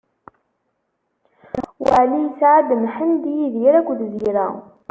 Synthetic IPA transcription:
wəʕlisʕad̪mħənd̪jiðɾækʷːðziɾæ̰

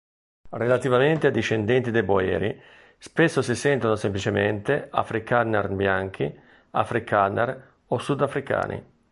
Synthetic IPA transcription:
relat̪ivament̪ead̪ːiʃːend̪ɛnt̪id̪eboɛ̰ːɾḭ | spesːosisɛnt̪onosemplit͡ʃement̪ea̰fɾikanːarbjaŋk̟ʰi | a̰fɾikʰanːa̰r | osud̪afɾika̰ːnʔḭ

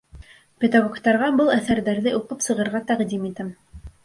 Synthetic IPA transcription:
pʲed̪aɡokt̪ɑɾʁɑbɤlˠæθæɾðæɾðɘʔuqɤpsɤ̆ʁɤ̆ɾʁɑt̪æqd̪imit̪ɘm

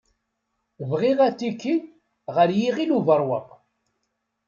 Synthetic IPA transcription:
vʁiʁæt͡sːikːi | ʁəɾjiʁiluvəɾˤwə̰q

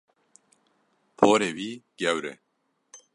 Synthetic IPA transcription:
pʰoːɾewiːɡ̥ewɾḛ

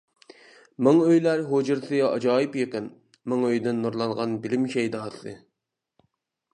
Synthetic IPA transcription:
mɨŋøjlæɾɦod͡ʒɨɾsɨɑ̰d͡ʒɑːɪpjəqən | məŋøjd̪ɪnːuɾlˠɑɴʁɑnbɪlɪmʃɛjd̪ɑːsɨ̰

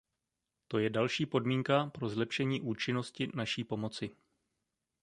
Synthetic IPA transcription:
t̪o̞jɛdalʃiːpo̞dmiːŋkapɾo̞zlɛpʃɛɲiːʔuːt͡ʃɪno̞scɪnaʃiːpo̞mo̞t͡sɪ

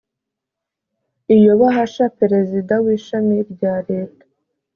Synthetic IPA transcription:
ijo̞βaɦaʃapeɾe̞zidawiːʃamiɾɟaːɾe̞ːtḁ

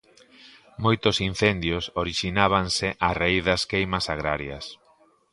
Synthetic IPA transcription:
mojt̪ʊsin̟θend̪jʊsoɾiʃinaβ̞ansɪʔarejðɐskejmɐsaɣ̞ɾaɾjɐ̰s

